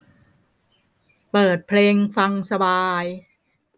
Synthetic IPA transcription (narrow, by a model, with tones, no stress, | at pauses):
pɤː˨˩t̪̚pʰleː˧ŋfa˧ŋsa˧baː˧j